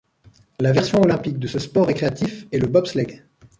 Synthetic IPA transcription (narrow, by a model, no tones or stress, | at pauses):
lavɛʁsjɔ̃ɔlɛ̃pik̚d̪əsəspɔʁɛkχeat̪ifɛləbɔbslɛɡ